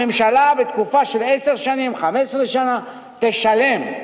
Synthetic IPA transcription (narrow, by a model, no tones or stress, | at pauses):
emʃalabet̪kufaʃelʔeseʁʃanimχamesʁeʃana | t̪eʃalem